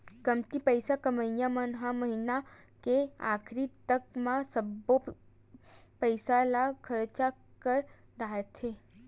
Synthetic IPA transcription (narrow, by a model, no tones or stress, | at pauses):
kəmt̪ipəɪsakəməjjãmənɦaməɦina | kea̰ːkʰɾit̪əkmãsəbːo | pəɪsalakʰəɾt͡ʃakəɾ | ɖaːt̪ʰe